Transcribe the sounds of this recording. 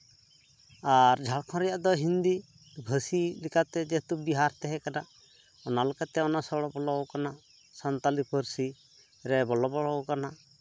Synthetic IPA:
aɾd͡ʒʱaɽkʰɔ̃ɾɛjaʔd̪ɔɦind̪i | bʱəsilikat̪ɛd͡ʒɛt̪ubiɦaɾt̪ɛɦɛkana | ɔnalɔkat̪ɛɔnasɔɽɔbɔlɔwkana | sant̪alipʰəɾsi | ɾɛbɔlɔbɔɽɔwkana

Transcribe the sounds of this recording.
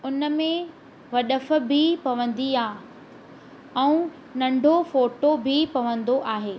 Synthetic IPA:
ʊnəmẽ | ʋɐɗəfʊ̆bɪpɐʋə̃nd̪iaː | ɛ̃ũ | nɐ̃ɳɖʱofoːʈobʱɪpɐʋə̃nd̪oʔaːɦeː

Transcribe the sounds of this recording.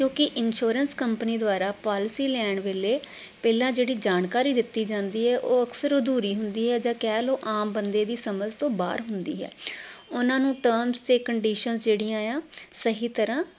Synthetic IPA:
kjõːkɪʔɪnʃoːɾənskəmpəniːd̪ʊaːɾaːpaːlɪsiːlɛːɳʋeːleːpɛːlãːd͡ʒeːɽiːd͡ʒaːnkaːɾiːd̪ɪt̪ːiːd͡ʒãːnd̪iːɦɛːʔoːəksəɾoːd̪uːɾiːɦʊnd̪iːɦɛːd͡ʒãːkɛːloːʔaːmbənd̪eːd̪iːsəməd͡ʒt̪õːba̰ːɾɦʊnd̪ḭːɦɛ̰ːʊnãːnũːʈəːɾmst̪eːkəɳɖiːʃənsd͡ʒeːɽiːãːjãːsəɦiːt̪əɾãː

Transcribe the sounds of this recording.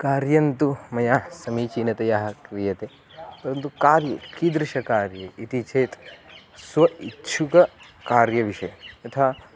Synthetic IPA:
kaːɾjɐnt̪umɐjaːsɐmiːt͡ʃiːnɐt̪ɐjaɦɐkɾijɐt̪e | pɐɾɐnt̪ukaːɾjḛːkid̪ɾɪʃɐkaːɾjɐʔit̪it͡ʃʰeːt̪sʋɐʔitːʃʰukɐkaːɾjɐʋiʃɐjɐɐt̪ʰaː

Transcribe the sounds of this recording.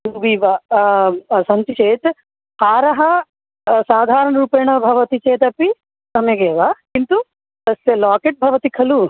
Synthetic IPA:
ubiʋɐ | sɐnt̪it͡ʃeːt̪ | paːɾɐɦɐ | saːd̪ʱaːɾɐɳɐɾuːpeːɳɐbʱɐʋɐt̪it͡ʃeːt̪ɐpi | sɐmjɐɡeːʋakint̪u | t̪ɐsɐlaːkeʈ̚bʱɐʋɐt̪ikʰɐlu

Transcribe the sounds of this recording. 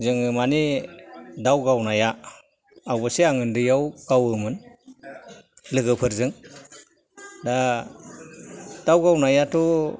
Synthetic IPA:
zɯŋɯmani | dawɡawnajaː | wbɯseaŋɯndɯjawɡ̥awɯmɯn | lɯɡɯpʰɯɾzɯŋ | da | d̥awɡawnajatʰɔ

